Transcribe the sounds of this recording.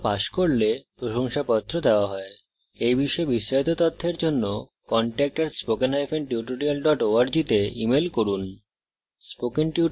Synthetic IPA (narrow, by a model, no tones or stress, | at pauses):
paʃkoɾlepɾoʃoŋʃapɔt̪ʰːɾod̪eoaɦɔe | ejbiʃɔebiʃɾait̪ot̪ot̪ʰːeɾd͡ʑonːo | kɔɳʈɛk̚ʈaɾspokenɦajfʰenʈjuʈoɖialɖɔʈoaɾd͡ʑit̪eḭmelkoɾun | spokenʈju